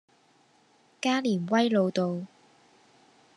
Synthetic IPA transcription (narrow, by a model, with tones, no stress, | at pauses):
kaː˥liː˨˩nwɐ˥jlo˨˧wt̪o˨w